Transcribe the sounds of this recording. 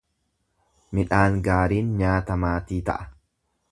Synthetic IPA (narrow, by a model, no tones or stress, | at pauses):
mɪᶑaːŋɡaːɾiːnɲaːt̪ɐmaːt̪iːt̪ɐ̰ʔɐ̥